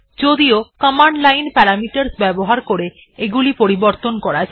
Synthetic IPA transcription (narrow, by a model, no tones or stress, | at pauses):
d͡ʒod̪iokɔmaɳɖlajnpɛɾamiʈəɾsbɛboɦaɾkoɾe | eɡulipoɾiboɾt̪onkɔɾad͡ʒ